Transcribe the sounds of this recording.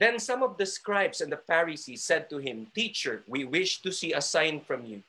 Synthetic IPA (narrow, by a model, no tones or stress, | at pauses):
ðɛ̃nsʌ̃mɔvd̪əskɹaɪbsɛ̃nd̪əfæɹisisɛd̪̚t̪uhɪ̃mt̪it͡ʃə˞wiwɪʃt̪usiːɐsãɪ̃nfɹɔ̃mju